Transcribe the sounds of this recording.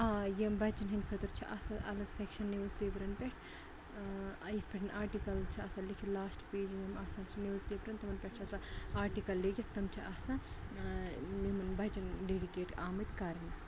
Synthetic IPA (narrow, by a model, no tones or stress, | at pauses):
aːjembɐt͡ʃɐnɦɐnd̪ʲkʰɐt̪ɨɾt͡ʃʰḭʔɐsɐɐlɐɡsekʃɐnːeʋzpeːbɾɐnpʲeʈʰ | ɐjit̪ʰpʲeʈʰɐnʔaːɾʈikɐlt͡ʃʰiɐsalikʰilaːsʈpeːd͡ʒmimasãːt͡ʃʰineʋzpebɾɐnt̪ɐmɐnpʲeʈ̚t͡ʃʰɐsaaːɾʈikɐlːeɡʲɐt̪ːɐmt͡ʃʰiʔɐsãː | mimɐnbɐt͡ʃɐnɖeːɽikeːʈaːmɐt̪kaːɾni